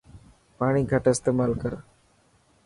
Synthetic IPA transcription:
paːɳiːɡʱəʈɪst̪eːmaːlkəɾ

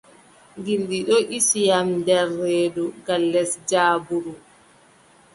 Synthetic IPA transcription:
ŋɡindiɗɔʔisijamdɛrːeːduɡalːɛsd͡ʒaːbuɾu

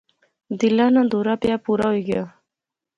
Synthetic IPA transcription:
d̪ilanad̪oɾapjapuɾawuɡa

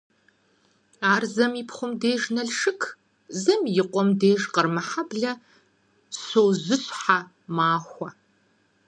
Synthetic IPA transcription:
aːrzɐmipʰχʷʊmdeːʒnɐɮʂɨkʰ | zɐmjɪqʷʼɔmdeːʒqərmɐħabɮɐ | soːwzɨɕʼħa | maːxʷɐ

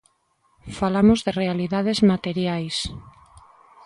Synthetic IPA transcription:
falamozðerealiðað̞ezmat̪eɾjajs

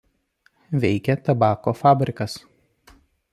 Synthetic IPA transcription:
ʋʲɛɪkʲɛt̪ɐbɑːkoːfɑːbʲɾʲɪkɐs

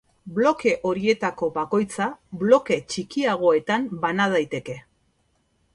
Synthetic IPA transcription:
blo̞ke̞ʔo̞ɾie̞t̪ako̞βako̞jt͡saβlo̞ke̞t͡ʃikiaɣ̞o̞e̞t̪ambanað̞ajt̪e̞ke̞

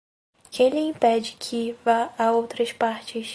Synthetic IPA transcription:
kʰẽj̃lɪĩpɛd͡ʒɪkʰɪvaaowt̪ɾɐʃpaɾt͡ʃɪʃ

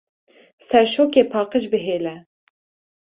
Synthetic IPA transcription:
sɛɾʃoːkeːpʰɑːqəʃbɨɦeːlɛ

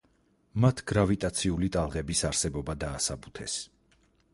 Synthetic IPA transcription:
mat̪ʰɡ̥ɾavit̪ʼat̪sʰiulit̪ʼalˠʁɛbisaɾsɛbɔbad̪aːsabut̪ʰɛ̰s

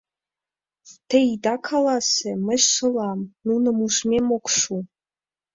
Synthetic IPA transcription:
t̪ʰeid̪ɑkʰɑlɑseməʃʂɨlˠɑmnunəmuʂmemokʷʂu

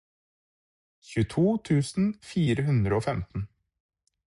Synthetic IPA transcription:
çʉt̪ʰuːt̪ʰʉːsn̩fiːɾəhʉnd̪ɾəoːfɛmt̪n̩

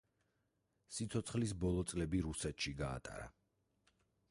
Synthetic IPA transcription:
sit̪sʰɔt̪sʰχlis̬bɔlˠɔt̪sʼlɛbiɾusɛt̪ʃiɡa̰ːt̪ʼa̰ɾa̰

